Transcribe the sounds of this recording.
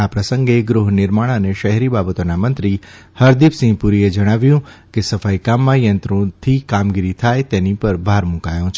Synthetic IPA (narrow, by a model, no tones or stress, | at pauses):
apɾəsə̃ŋɡeɡɾuɦnɪɾmaɭ̃əneʃəɦɛɾibabət̪onamənt̪ɾi | həɾd̪ipsĩŋɡpuɾied͡ʒəɽ̃aʋjũkesəfajkamːãjənt̪ɾõt̪ʰikamɡiɾit̪ʰajt̪enipəɾbʱaɾmũkajõt͡ʃʰ